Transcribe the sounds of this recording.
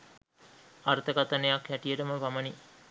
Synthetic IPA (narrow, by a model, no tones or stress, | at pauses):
aɾt̪əkat̪ənejakʋæʈijəʈəməʋaməni